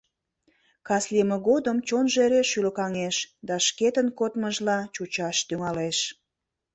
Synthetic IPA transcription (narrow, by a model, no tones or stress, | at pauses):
kɑslʲiməɣod̪əmt͡ɕonʒeɾeʃylə̆kɑŋeʃd̪ɑʃket̪ənkot̪məʒlɑt͡ɕut͡ɕɑʃt̪yŋɑleʃ